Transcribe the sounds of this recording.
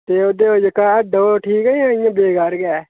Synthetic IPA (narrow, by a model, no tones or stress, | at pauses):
t̪eːod̪eːod͡ʒəkaːəɖoːʈʰiːkəãːɪjãːbeːɡaːɾɡɛː